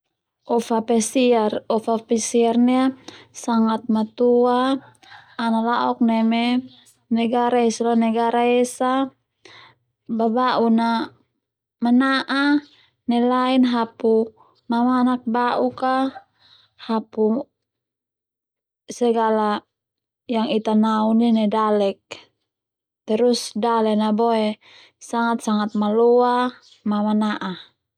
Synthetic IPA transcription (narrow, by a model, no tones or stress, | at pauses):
ɔfapɛsiarɔfapɛsiarnɛasaŋat̪̚mat̪uaː | nalaʔɔk̚nɛmɛ | nɛɡaɾaɛsalanɛɡaɾaɛsa | babaʔuna | manaʔa | nɛlainɦapu | mamanak̚baʔuka | hapu | sɛɡala | jaŋit̪anauninɛdalɛk̚ | t̪ɛɾusdalɛnabɔe | saŋat̪̚saŋat̪̚malɔa | mamanaʔa